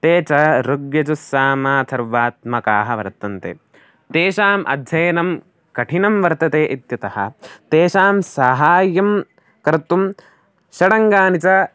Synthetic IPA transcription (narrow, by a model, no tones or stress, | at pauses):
t̪eːt͡ʃɐɾoɡjɐt͡ʃusaːmaːt̪ʰɐɾʋaːt̪mɐkaːɦɐʋɐ̰ɾt̪ɐnt̪ḛː | t̪eːʃaːmʔɐ̰d̪ʱjɐjɐnɐm | kɐʈʰinɐmʋɐɾt̪ɐt̪eːʔit̪jɐt̪ɐhɐ̰t̪eːʃaːmsaːɦaːjɐm | kɐɾt̪um | ʃɐɽɐŋɡaːnit͡ʃɐ